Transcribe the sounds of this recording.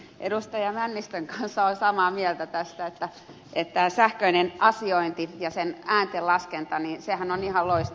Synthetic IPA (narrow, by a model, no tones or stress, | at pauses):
ʔḛdust̪ɑjɑmænːist̪øŋkɑnsːɑolsɑmɑːmielt̪æt̪æst̪æet̪ːæ | et̪t̪æːsæhkøinenʔɑsioint̪ijɑsenæːnt̪ellɑskent̪ɑninsehænonihɑlloist̪